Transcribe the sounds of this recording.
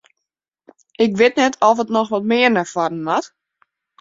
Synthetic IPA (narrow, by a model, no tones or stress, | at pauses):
ɪkʋɪtnɛtʰɔfətnɔxʋɔt̚mɪərnɛfwadn̩mat